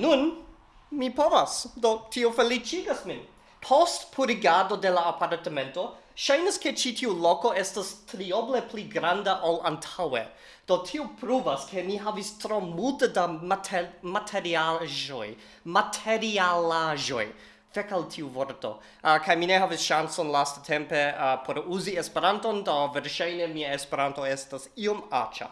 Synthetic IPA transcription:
nun | mipovasdo̞tʰiofelit͡ʃiɡasmin | pʰostpʰuɾiɡado̞de̞laːpaɾtame̞nto̞ʃajnaske̞t͡ʃitʰiuloko̞e̞stastɾioble̞pliɡɾandaʔalantʰawḛ | d̥o̞tʰiopɾuvaskʰe̞miɦavistɾomultedamatʰmatʰe̞ɾiaʒoj | matʰeɾialaʒo̞̰j | fekaltʰiuvoɾto̞̰ | kajmineɦavisʃansonlastatʰempe̞pʰoɾuziespeɾantondoveɾʃajnemiaespeɾanto̞estasioma̰t͡ʃa̰

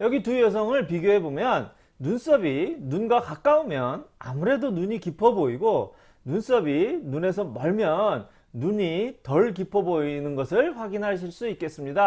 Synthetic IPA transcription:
jʌɡitujʌs̬ʰʌŋɯɭpiɡjoɦe̞bomjʌnː | uns͈ʌbinunɡwakak͈aumjʌna̰muɾe̞donuɲikipʰʌboiɡo | nuns͈ʌbinune̞sʰʌmʌɭmjʌnː | uɲitʌɭkipʰʌboinɯnɡʌsʰɯɭɸwaɡinɦaɕ̬ʰiɭs͈uik͈e̞s͈ɯmɲida

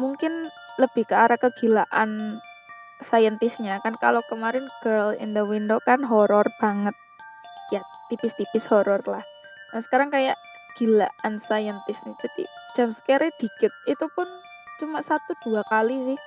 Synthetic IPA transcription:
muŋkɪn | ləb̥ɪhkəaɾakəɡ̥ilaʔan | sajənt̪ɪsɲakanka̰lokəmaɾɪnɡ̥ərlɪ̰nd̪əwind̪okanɦɔɾɔrb̥aŋət̪̚jat̪ipɪst̪ipɪshɔɾɔrlah | nasə̥kaɾaŋkajaʔkəɡ̥ilaʔansajənt̪ɪsnad͡ʒad̪̥ḭ̥d͡ʒ̥amsə̥kɛɾed̪̥i̤kɪt̪̚it̪upʊn | t͡ʃumaʔsat̪ud̪̥uakalisɪh

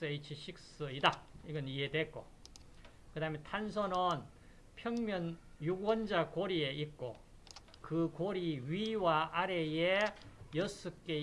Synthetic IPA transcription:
ɯeit͡ɕʰiɕʰik̚s͈ɯidaiɡʌniɦedwe̞k͈o̰ | kɯdaɦɯmjentʰans̬ʰʌnɯn | pʰjʌŋmjʌnjuɡwʌnd͡ʑakoɾie̞ik͈o̰ | kɯkoɾiɥiwaaɾejejʌs͈ʰɯk͈e

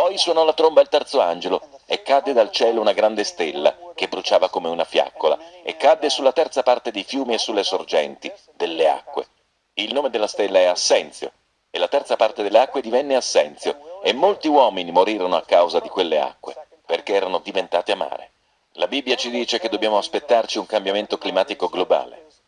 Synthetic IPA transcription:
pɔjswonɔlat̪ɾombailt̪ɛrt̪soand͡ʒeloekːad̪ːed̪alt͡ʃɛːlounaɡɾand̪est̪elːa̰k̟ebːɾut͡ʃaːvakomeunafja̰kːola̰ḛkːad̪ːesulːat̪ɛrt̪sapart̪ed̪ejfjuːmiesːulːesord͡ʒɛnt̪i | d̪elːea̰kːwḛ | ilnoːmed̪elːast̪elːaɛasːɛnt̪sjo̰ | elːat̪ɛrt̪sapart̪ed̪elːeakːwed̪ivɛnːeasːɛnt̪sjoemːolt̪iwɔːminimoɾiːɾonoakːawzad̪ikwelːea̰kːwe | perkeɛːɾanod̪ivent̪aːt̪eamːa̰ːɾḛ | labibːjat͡ʃid̪iːt͡ʃeked̪objaːmoaspet̪ːart͡ʃiuŋkambjament̪oklimaːt̪ikoɡloba̰ːlḛ

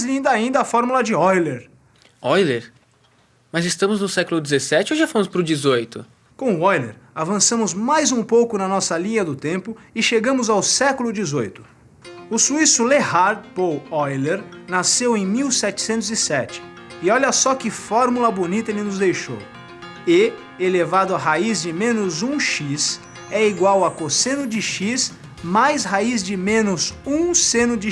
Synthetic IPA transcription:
zlĩnd̪ɐaĩnd̪ɐafɔɾmulɐd͡ʒɪɔjleɾ | ɔjleɾ | mɐzɪst̪ɐ̃mʊznʊsɛkʊlʊd͡ʒɪzesɛt͡ʃɪowʒafɐ̃mʊspɾʊd͡ʒɪzojt̪ʊ̰ | kõw̃ʊɔjlḛɾavɐ̃sɐ̃mʊzmajzũpowkʊnɐnɔsɐlĩɲɐd̪ʊt̪ẽpʊɪʃeɡɐ̃mʊzawsɛkʊlʊd͡ʒɪzojt̪ʊ̥ | ʊsuisʊlehaɾd̪powɔjleɾnasewẽj̃miwsɛt͡ʃɪ̥sẽnt̪ʊzisɛt͡ʃɪ̥ | ɪɔʎɐsɔkɪfɔɾmulɐbonit̪ɐelɪnʊzd̪ejʃo̰w | ɪ | elevad̪ʊɐɦaizd͡ʒɪmẽnʊzũʃis | ɛiɡwawɐkosẽnʊd͡ʒɪʃis | majshaizd͡ʒɪmẽnʊzũsẽnʊd͡ʒɪ

